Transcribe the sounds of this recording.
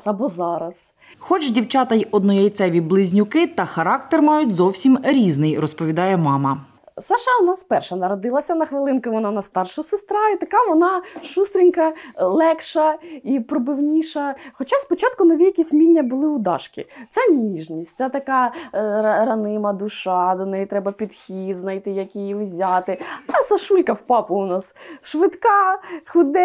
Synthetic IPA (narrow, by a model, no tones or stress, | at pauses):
ɐbɔzɑɾɐs | xɔt͡ʃdʲiwt͡ʃɑt̪ɐjɔd̪nɔjɛjt̪sɛʋʲiblˠɪzʲnʲʊkɪt̪ɐxɐɾɑk̚t̪ɛrmɑjʊtʲzɔwsʲimɾʲiznɪjrɔspɔʋʲid̪ɑjɛmɑmɐ | sɑʃɐʊnɑspɛrʃɛnɐɾɔd̪ɪlˠɐsʲɐnɐxʋɪlˠɪnkʊʋɔnɑnɐst̪ɑrʃɐsɪst̪ɾɑit̪ɐkɑʋɔnɑʃust̪ɾʲinʲkɐlˠɛkʃɐipɾɔbɪwnʲiʃɐxɔt͡ʃaspɔt͡ʃɑt̪̚kʊnɔʋʲijɐkʲisʲmʲinʲːɐbʊlˠɪʊd̪ɑ̰ʃkʲɪ̰t̪sɛnʲiiʒnʲisʲt̪ʲsʲɛt̪ɐkɑ | ɾɐnɪmɐd̪ʊʃɑd̪ɔnɛjt̪ɾɛbɐpʲid̪xʲid̪znɐjt̪ɪjɐkʲijiwzʲat̪ɪɑsɐʃulʲkɐwpɑpʊʊnɑsʃʋɪt̪kɑxʊd̪ɛ